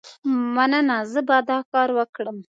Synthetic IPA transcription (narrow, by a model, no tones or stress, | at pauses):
manənazəbad̪ɑkɑɾwəkɽəm